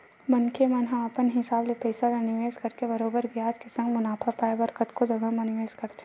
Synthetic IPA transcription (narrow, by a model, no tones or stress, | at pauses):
mɐnkʰemɐnɦɐ̃mɐpənɦɪsaːblepeːsalɐnɪʋeːskɐɾkebɐɾoːbəɾbjaːd͡ʒkesɐ̃ŋɡmʊnaːpʰapaːebɐɾkət̪kod͡ʒɐɡamɐnɪʋeːskɐɾt̪e